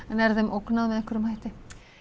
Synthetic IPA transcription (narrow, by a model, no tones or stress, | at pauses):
ɛnɛɾðɛmʔoknaðmɛðɛhkːʏɾʏmhajt̪ɪ